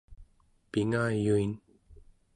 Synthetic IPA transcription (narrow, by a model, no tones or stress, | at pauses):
piŋajuin